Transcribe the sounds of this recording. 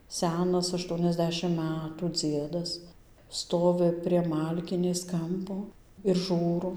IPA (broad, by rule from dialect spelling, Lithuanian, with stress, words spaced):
ˈsʲæːnɐs ɐʃˌtuɔnʲɛzʲˈdʲæːʃʲɪm ˈmʲætuː ˈd͡zʲiɛdɐs ˈstoːʋʲɪ pʲrʲiɛ ˈmɐlʲkʲɪnʲeːs ˈkɐmpoː ɪr ˈʒuːroː